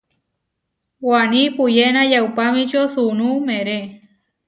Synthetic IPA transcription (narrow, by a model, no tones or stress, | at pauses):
wanĩpujenãjawpamĩt͡ʃosunumẽɾe